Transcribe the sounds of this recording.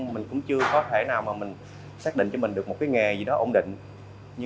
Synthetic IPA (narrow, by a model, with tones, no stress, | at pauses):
mï˨˩ŋ̟kʊ̰˧˥ŋ͡mt͡ɕɨ˧əkɔ˨˦t̪ʰe˧˩naː˨˩wmaː˨˩mï˨˩ŋ̟ | saː˦˥k̚ɗḭ˧˨ŋ̟t͡ɕɔ˧mï˨˩ŋ̟ɗk̚mo˨˩t̚kaː˨˦jŋɛ˨˩zi˨˩ɗɔ˨˦ʔo̰˧˩ŋ͡mɗḭ̈˧˨ŋ̟ | ɲɨ˧